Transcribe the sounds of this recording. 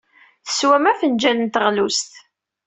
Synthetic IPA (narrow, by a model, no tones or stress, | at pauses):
θə̥swæmæfənd͡ʒænənt̪əʁlust̪